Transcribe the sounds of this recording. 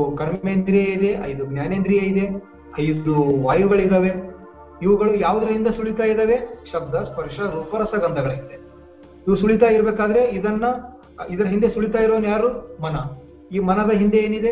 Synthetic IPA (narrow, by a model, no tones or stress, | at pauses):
kɐɾmmend̪ɾijɐid̪eʔɐ̰jd̪uɡnʲjaːneːnd̪ɾijɐid̪e̞ | ɐjud̪uʋaːjuɡɐɭid̪ɐʋe̞ | iʋɐɡɐɭujaːʋud̪ɐɾɐɦind̪esuɭit̪aːjid̪ɐʋe̞ʃɐb̚d̪ɐspɐɾʂɐɾuːpɐɾɐsɐɡɐnd̪ɐɡɐɭɐɦind̪e | iʋusuɭit̪̬aːjiɾɐbeːkaːd̪ɐɾe̞id̪ɐnːɐ | id̪ɐɾɐɦind̪esuɭit̪aːjiɾoːnjaːɾumɐnɐ | iːmɐnɐd̪ɐɦind̪eeːnid̪e